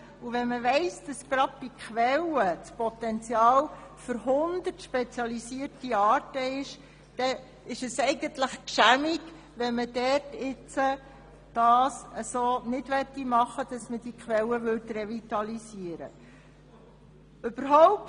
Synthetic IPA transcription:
uʋɛnməʋɛɪsd̥ɑsɡ̥ɾɑd̥̚b̥ikχʋɛlət͡spɔt̪ɛnt͡sjɑːlfʏɾɦʊnd̪ətʃpɛt͡sjɑlisiəɾtiɑːɾtəɪʃ | d̥ɛ | ɪʃəsɛɪɡənt̪ləχkʃæmiɡ | ʋɛnmədɛrtɪt͡sə | d̥ɑːsəsoːnɪdʋɛt̪ːimɑχəd̥ɑsməd̥ikʰχʋɛləʋʏtrɛvit̪ɑlisiəɾə̰ | øb̥əɾɦɔʊp̚t

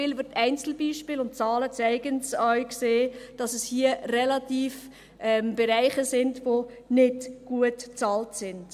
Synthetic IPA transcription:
iːlbətæɪnt͡sl̩biːʃpɪːlʊntt͡sɑːlət͡sæɪɡənsœɥkseːd̥ɑsɛshiərɛlɑtiːf | ʔɛmb̥ɛɾæɪχəsɪndvo | nɪdɡ̥uətt͡sɑːltsɪnd̥

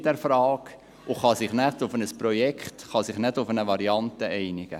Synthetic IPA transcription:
dɛɾfɾɑːk | ʊχɑsɪχnɛtʊfənəsprɔjɛkχtχɑsɪχnɛdʊfənəʋɑɾiɑntəʔɛɪnɪɡ̥ə̰

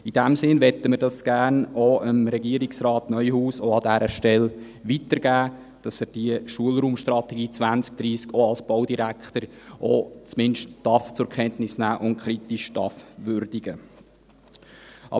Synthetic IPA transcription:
id̥æmsɪnʋɛtəməɾdɑsɡ̥æːɾnoəmɾɛɡiəɾiksɾɑːtnœʏhuːsoɑdæɾəʃtɛl | ʋitəɾɡæː | d̥ɑsəd̥iəʃuəlɾuːmʃtrɑt̪ɛɡiːt͡sʋænt͡sk̚d̥ɾiːskʰoɑlsb̥owdiɾækχt̪əɾ | ʔo̰t͡smɪnʃtd̥ɑft͡sʊɾkʰɛntnɪsnæːʔʊnkʰɾitiʃd̥ɑfʋøɾd̥iɡə | ʔɑ̰

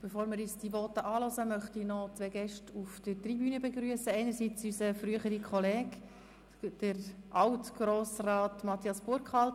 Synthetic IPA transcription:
b̥efoːɾmɪɾysd̥iʋɔtəʔɑːlɔzəmœχtinɔt͡sʋɛɡɛʃtufd̥ətribyːnəbeɡɾyəsəɛɪnəɾsit͡sysəfɾyəχəɾikʰχɔleːɡ | d̥əɾʔɑwtɡ̥ɾoːsrɑːtmɑt̪ʰiɑsb̥ʊɾkχɑl

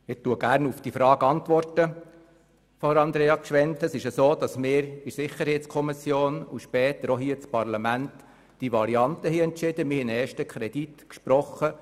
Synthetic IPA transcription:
ɪtuəɡ̥æːɾnufd̥ifɾɑːɡɑnt̪ʋɔrtə | fɔɾɑnd̪ɾeːɑkʃʋɛnt̪əsɪʃəsoːd̥̪ɑsmɪːɾɪsɪχəɾhɛɪt̪t͡skʰɔmɪsjoːnuʃpɛːt̪əɾɔɦiːət͡spɑɾlɑmænt | d̥iʋɑɾiɑnt̪əhiɛntt͡ʃɪd̥̪əmɪhɛnɛːʃtəkʰχɾɛd̥̪it̪kʃpɾɔχə

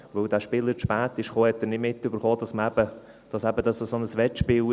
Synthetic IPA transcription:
ʋɵwdæːʃpɪləɾʃpæːtɪʃχoːhɛtːəɾnɪdmɪtːʏbəɾχoːdɑsməæb̥ə | d̥ɑsæbədɑsosonəsʋɛtʃpɪːl

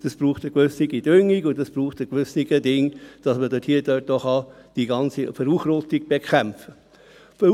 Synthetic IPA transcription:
d̥əsb̥ɾuːχtəkʋøsniɡid̥ʏŋːikʊndəsb̥ɾuːχtəkʋʏsniɡədɪŋd̥ɑsmədøthiːədøt̚dɔχɑ | d̥iɡɑnt͡sifəɾuːχɾot̪iɡ̚b̥ekʰæmpfə | f

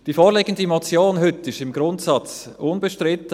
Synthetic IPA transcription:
d̥iːfoːɾleɡəndimot͡sjoːnɦʏtɪʃɪmɡɾʊntsɑt͡s | ʊnbəʃtɾɪtə

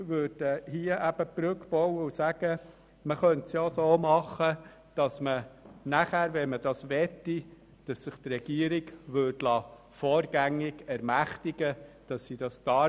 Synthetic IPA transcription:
ʋøɾd̥əhiəʔæb̥əpɾʉkpɔwəusæɡ̥ə | məχœntsjoːsoːmɑχə | d̥ɑsmənæχæːɾʋɛnməd̥ɑsʋɛtːi | d̥ɑsːɪχt̪rɛɡ̥iəɾiɡʋødlɑː | foːɾɡæŋːɪɡ̥ɛɾmæχtɪɡəd̥ɑsːid̥ɑstɑː

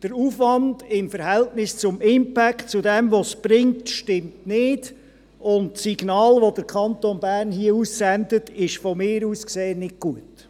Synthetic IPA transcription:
d̥əɾuːfʋɑndɪmfəɾhɛltnɪst͡sʊmɪmpækt͡sʊdɛmʋɔsb̥ɾɪŋtʃtɪmtnɪːd̥ | ʊntsiɡnɑːlʋodəɾkʰɑnt̪onbæːɾnhiəuːssɛndətɪʃfɔmɪːɾuːskseːənːɪt̚ɡ̥uət

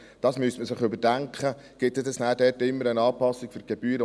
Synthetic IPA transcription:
d̥ɑːsmystməsɪχʏbəd̥æŋkχə | ɡ̥ɪtːɛdɛsnæːdɛtɪmːəɾənɑːpɑsːikføɾɡ̥ɛb̥yːɾə

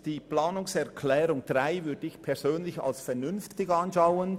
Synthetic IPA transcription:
d̥iːplaːnʊŋsɛʁkʰlɛːɾʊŋd̥ʁaɪvʏɐd̥əɪçpʰɛʁzøːnlɪça̰lsfɛʁnʏnftɪɡɑnʃaʊən

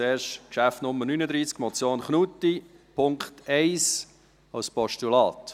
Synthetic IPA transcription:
eːɾʃkʃæftnʊmːənyːnəd̪ɾiːskmɔt͡sjoːnχnut̪i | pʰʊŋkχt̪ɛɪs | ɑʊspɔʃtulɑːt̪

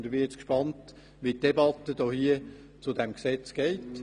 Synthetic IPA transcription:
nd̪əʋɪt͡skʃpɑnt | ʋitːebɑt̪ːəd̥ɔhiə | t͡sʊdɛmksɛt͡sɡ̥ɛɪt

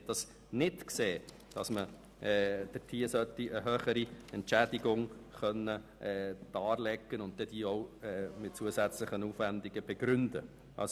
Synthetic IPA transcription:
d̥ɑs | nɪtkseː | d̥ɑ̰smə | d̥ətʰiːəsœt̪iəɦøːχəɾiɛntt͡ʃæd̥ɪɡʊŋχœnːəʔɛːd̥ɑːɾlɛɡːənʊnt̚d̥̪ɛd̥iːɔʊɛmɪt̚t͡suəsæt͡slɪχənuːfʋænd̪ɪɡəb̥ɛɡ̥ɾʏndə̰ | ʔɑ̰ls

